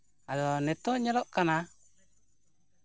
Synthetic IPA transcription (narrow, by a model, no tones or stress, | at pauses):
adɔnɛt̪oɲalɔʔkana